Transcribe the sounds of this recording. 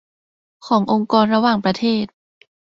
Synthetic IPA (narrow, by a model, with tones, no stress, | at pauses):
kʰɔː˩˦ŋʔo˧ŋkɔː˧nɾa˧waː˨˩ŋpɾa˧t̪ʰeː˥˩t̪̚